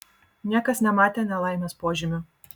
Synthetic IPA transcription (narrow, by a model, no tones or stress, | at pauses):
nʲiɛkɐsnʲɛmɑːt̪ʲeːnʲɛlˠɑɪmʲospoːʒʲɪmʲʊ